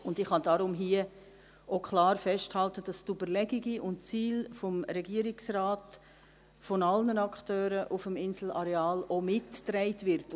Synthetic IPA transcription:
ʊndɪχhɑdɑɾʊmɦiə | okʰlɑːɾfɛʃthɑltəd̥ɑstybəɾlɛɡiɡiʔʊntt͡siːlfɔmɾɛɡiəɾiksɾaːt | fɔnɑlnənɑktøːɾəʔufəmɪnsl̩ɑɾɛɑːlomɪtːɾɛɪtvɪɾt

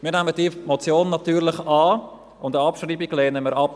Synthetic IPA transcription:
miːɾnɛmədimot͡sjoːnːɑtyːɾlɪχɑː | ʊndəɑpʃriːbiɡleːnəməɾɑp

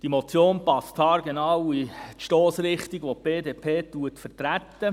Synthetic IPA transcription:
d̥imot͡sjoːnpɑstɑːɾɡenɑwitʃtoːsɾɪχtiɡʋop̚b̥eːdeːpʰeːt̪uətfəɾtɾæt̪ːə

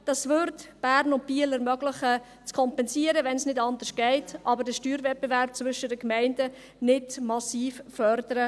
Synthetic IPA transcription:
d̥ɑsvʏɾtb̥æːɾnʊnt̚b̥iələɾmœɡləχə | t͡skʰɔmpɛnsiəɾəʋɛnsnɪdɑndəʃɡ̥ɛɪtʔɑbəɾdəʃtyːɾvɛpːəvæɾp̚t͡svʏʃədəkmɛɪndə | nɪdmɑsiːffœrdəɾə

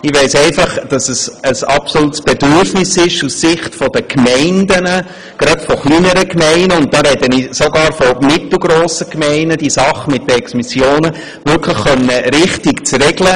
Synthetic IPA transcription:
ɪʋɛɪsɛɪfɑχd̥ɑsəsəsɑpsolutsb̥ɛdʏɾfnɪsɪʃussɪχtfɔdəkʰmɛɪndənə | ɡ̥ɾɑtfɔχliːnəɾəkmɛɪnəʊnt̚d̥ɑːɾɛdənisoɡɑːɾfɔmɪtl̩ˠɡɾoːsəkmɛɪnəd̥iːsɑχəmɪt̚dəɛksmɪsjoːnə | vʏɾkʰləχːœnːəɾɪχtɪkt͡sɾɛɡlə

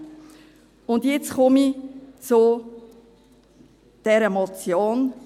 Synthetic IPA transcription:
ʊndjɪt͡sχɔmit͡sʊ | d̥ɛɾəmɔt͡sjoːn

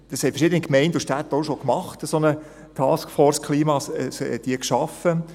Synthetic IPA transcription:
d̥ɑshɛtfəɾʃɪd̪ənikmɛɪnduʃtæt̪ːoʃokmɑχtəsonə | t̪ʰɑːskfɔːɾskχliːmɑsɛd̥̪iːkʃɑfə

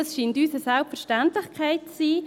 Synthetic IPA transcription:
ɑsʃiːntyːsəsalpfəɾʃtantlɪxkʰaɪtt͡siː

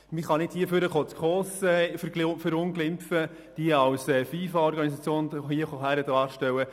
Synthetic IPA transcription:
miχɑnɪthiəføɾəχot͡skχɔːsɛffəɾʊnɡlɪmfə | d̥iəɑwsɛːfiːfɑɔɾɡɑnisɑt͡sjoːnhiəχoɦæɾədɑːɾʃtɛwə

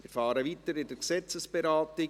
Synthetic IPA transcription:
ɪɾfɑːɾəʋitəɾɪd̥əɾksɛt͡səsb̥eɾɑːtɪ

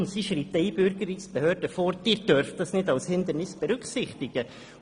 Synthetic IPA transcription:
nsiʃritɛɪjbʏɾɡəɾɪsb̥əhøːɾdəfɔːɾd̥ɪːɾd̥œɾftdɑsnɪdɑwshɪnd̪əɾnɪsb̥ɛɾʉkχsɪχt̪ɪɡ̥ə

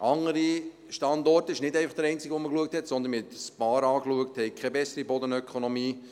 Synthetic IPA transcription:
ʔɑŋːəɾi | ʃtɑndɔɾtəɪʃnɪdɛɪfɑχd̥̪əɾɛɪnt͡siɡʋɔməkluək̚thɛtsɔnd̪ənmɛt̪spɑːɾɑːkluək̚thɛɪkʰɛbɛsːəɾibɔd̪ənœkʰχonɔmiː

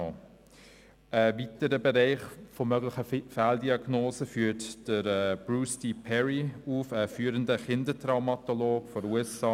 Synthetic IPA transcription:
ʔəvitəɾəbɛɾɛɪχfomœɡlɪχəfaldiɑɡnoːzəfyːtd̥əɾɛb̥ɹuːstipʰɛɹiuːfəfyːɾəndəχɪndətraʊmɑtoloːɡfɔɾuɛsɑː

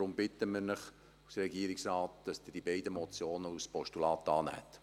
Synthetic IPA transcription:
ɾʊmbɪt̪ːəmɪɾnɪχ | usɾɛɡiəɾiksɾɑːtd̥ɑsd̥̪ɪd̥ibɛɪdəmɔt͡sjoːnəuspɔʃtulɑːt̪ɑːnæ̰ːt

